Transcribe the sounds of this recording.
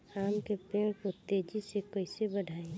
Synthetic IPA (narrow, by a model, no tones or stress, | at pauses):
aːmkepeːmkot̪eːd͡ʒisekəɪsebəɖʱaːe